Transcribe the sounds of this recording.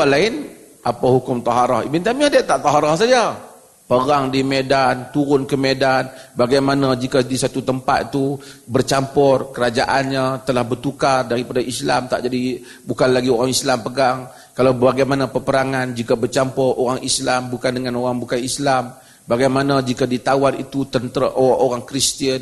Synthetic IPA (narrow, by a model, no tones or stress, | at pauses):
alaɪn | ʔapahukʊmt̪ɑɦaɾahḭbint̪amiadat̪aʔt̪aɦaɾahsad͡ʒa | pəɡaŋdimedant̪uɾʊnkəmedanbaɡajmanad͡ʒikadisat̪ut̪əmpa̰t̪t̪ubərt͡ʃampʊrkəɾad͡ʒaʔanɲat̪əlahbərt̪ukardaɾipadaʔisla̰mt̪a̰ʔd͡ʒadi | bukanlaɡioɾaŋislampəɡaŋ | kalawbaɡajmanapəpəɾaŋand͡ʒikabərt͡ʃampɔroɾaŋislambukandəŋanoɾaŋbukanislam | baɡajmanad͡ʒikadit̪awanḭt̪ut̪ənt̪əɾaʔoaʔoɾaŋkɾist̪iən